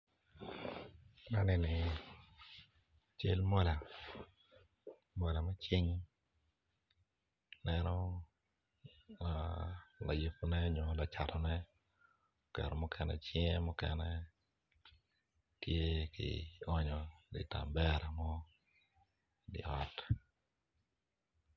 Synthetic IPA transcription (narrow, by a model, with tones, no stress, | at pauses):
na˦nɛ˨nɪ˨ | t͡ʃe˦lmɔ˦la˨ | mɔ˨la˨ma˦t͡ʃi˦ŋ | nɛ˦nɔ˦ | a˨la̰˨ji˨po˨nɛ˦ɲo˨la˨t͡ʃa˨tɔ˨nɛ˦ | kɛ̰˨ɾo˨mʊ˦kʰɛnɛ̰˨t͡ʃɪ˦ŋɛ˦mʊ˦kɛ̰nɛ˦ | tje˦kɪ̰˨ɔ˦ɲɔ˨dɪ˨ta˨mbɛ˦ɾa˨mɔ˦ | dɪ̰˨ɔ˦t